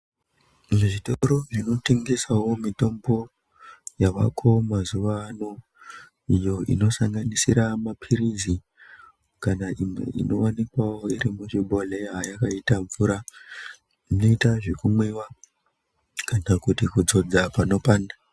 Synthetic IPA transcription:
ʐeʐitoɾo̞ʐino̞teŋɡesawo̞mito̞mbo̞ | jaʋa̰kʰo̞mazuʋaːno̞ | ijo̞ḭno̞saŋɡanisiɾamapʰiɾizi | kanaimwḛḭno̞wanikwawoiɾimuʐiɓo̞leajakaitaɱvuːɾa | ino̞itaʐekumwewa | kanakutikud͡zo̞d͡zapano̞paːnda

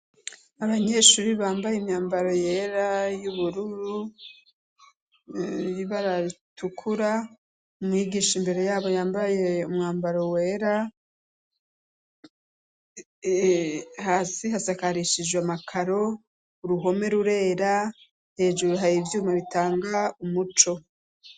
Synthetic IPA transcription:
aβaɲe̞ʃuɾiβaːmbajemɲaːmbaɾo̞je̞ːɾajuβuɾuɾu | jiβaɾatukʰuɾa | umŋiːɡiːʃimbe̞ɾe̞jaːβo̞jaːmbaje̞umŋaːmbaɾo̞we̞ːɾa | haːsiɦasakaɾiʃid͡ʒwamakʰaɾo̞ | uɾuɦo̞me̞ɾuɾe̞ːɾa | he̞ːd͡ʒuɾuɦaɾivjuːmaβitaːŋɡaumut͡ʃo̞

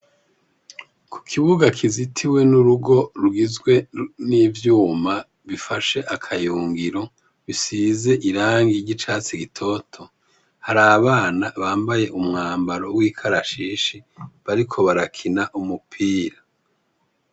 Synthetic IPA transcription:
kʰu̥kʰiβuɡakʰizitʰiwe̞nuɾuɡo̞ɾuɡizɡwe̞nivjuːma | βifaʃe̞ʔakʰajuːŋɡiɾo̞ | βisize̞ʔiɾaːŋɡiɟit͡ʃaːt͡siɡitʰo̞tʰo̞ | haɾaβaːnaβaːmbaje̞ʔumŋaːmbaɾo̞wiːkʰaɾaʃiːʃiβaɾikʰo̞βaɾakʰinaʔumupʰiːɾa

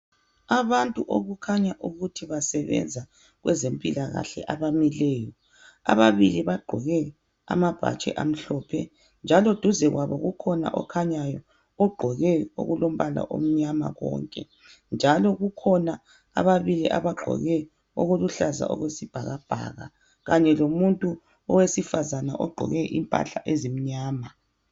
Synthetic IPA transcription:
aβantʼuʔoɣukʰaɲaʔuɣutʰiβasɛβɛ̰nd͡zʱa | ɣwɛzempʼilaɣa̰ɬɛ̰ʔaβamilɛːjɔ | a̰βaβiliβaɡ͡ǃʱɔɣɛ | a̰mab̥ʱa̰t͡ʃʼɛ̰ʔam̩ɬɔpʰɛ̰ | nd͡ʒʱalod̥ʱuzɛɣwaβɔɣukʰɔna̰ʔɔkʰaɲajɔ | ɔɡ͡ǃʱɔɣɛo̰ɣulom̩βala̰ʔo̰m̩ɲama̰ɣɔ̰ːŋkʼɛ | nd͡ʒʱalɔɣukʰɔna | a̰βaβiliʔa̰βaɡ͡ǃʱɔ̰ɣɛ | oɣuluɬaza̰ʔɔ̰ɣwesib̥ʱaɣab̥ʱa̰ɣa | ɣaɲɛlomuntʼu | ɔwesifazana̰ʔɔɡ͡ǃʱɔ̰ɣɛʔimpʼa̰ɬaʔezim̩ɲaːma

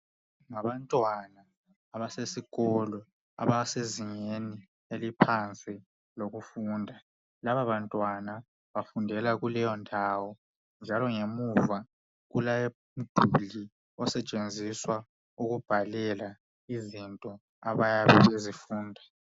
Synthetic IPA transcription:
ŋaβantʼwanaː | βasesiɣɔlɔ | a̰βaseziɲeni | elipʰant͡sʼi | loɣufuːndʱa | laβaβantʼwana | βafundʱɛlaɣulɛjɔndʱawɔ | nd͡ʒʱalɔŋemuva | ɣulaje | m̩d̥ʱuli | ɔsɛt͡ʃʼend͡zʱiswa | uɣub̥ʱalɛla | izintʼɔ | aβajaβɛβezifuːndʱa

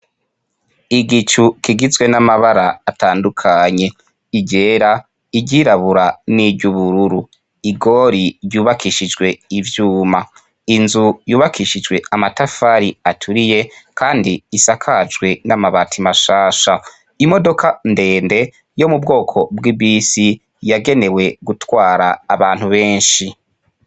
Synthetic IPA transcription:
iɡit͡ʃukiɡizɡwe̞namaβaɾaːtaːndukʰaɲe̞ | iɟe̞ːɾa | iɟiɾaβuɾaniɟuβuɾuɾu | iɡo̞ɾiɾjuːβakiʃid͡ʒɡwe̞ivjuːma | inzujuːβakʰiʃid͡ʒwe̞amatafaɾiatʰuɾije̞kʰaːndiːsakʰad͡ʒɡwe̞namaβatʰimaʃaːʃa | imo̞do̞kʰande̞ːnde̞ | jo̞mubɡo̞ːkʰo̞bɡibisi | jaɡe̞ne̞we̞ɡutwaːɾaːβaːn̥huβe̞ːnʃi

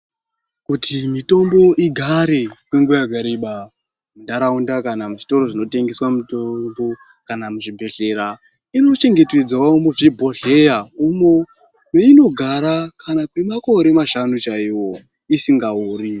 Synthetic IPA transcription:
kutʰimito̞mbo̞ʔiɡʱaɾe̞kweŋɡujaɡʱaɾeɓa | mundaɾaundakanamuʐito̞ɾo̞ʐino̞teŋɡeswamutombo̞ | kanamuʐibʱe̞ɮe̞ɾa | ino̞t͡ʃe̞ŋɡe̞ted͡zawaumoʐibʱoɮe̞jaumo | weino̞ɡʱaɾakʰanakwe̞mako̞ɾe̞maʃanut͡ʃaiwo̞ | isiŋɡauːɾi

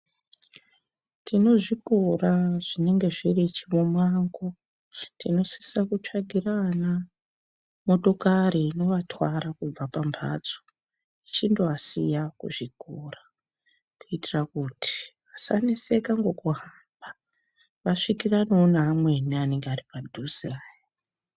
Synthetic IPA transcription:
tʰino̞ʐikuraʐ̥ine̞ŋɡe̞ʐirit͡ʃiʋomaːŋɡo̞ | tino̞si̥sakut͡ʂaɡʱirana | mo̞to̞kaɾiːno̞ʋatwaɾakub͡vapambʱa̰d͡zo | it͡ʃindoasḭjakṵʐikura | kuitirakuti̥ʋasanese̞kaŋɡo̞kuɦamba | ʋaʂikiranoːnaːmwe̞niane̞ŋɡaripadʱusiaːja

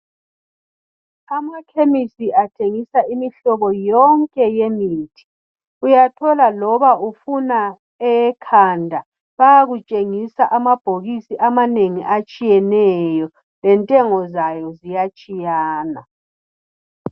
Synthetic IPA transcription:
amakʰemisiʔatʰeŋisaimiɬɔβɔjɔŋkʼɛjemiːtʰi̥ | ujatʰɔlalɔβaufuna | ɛkʰandʱa | βajaɣut͡ʃʼeŋisaʔamab̥ʱoɣisiʔamaneŋḭʔat͡ʃʼijɛnɛjɔ | lɛntʼɛŋɔzajɔzijat͡ʃʼijaːna̰

